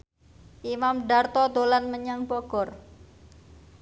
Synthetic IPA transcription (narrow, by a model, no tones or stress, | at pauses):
ʔimamɖart̪ɔd̪olanməɲaŋbɔɡ̥ɔ̤r